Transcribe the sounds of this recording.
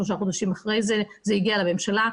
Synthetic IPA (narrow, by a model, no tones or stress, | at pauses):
loʃ̬aχod̪aʃimaχʁejzɛzɛiɡialameɛmʃala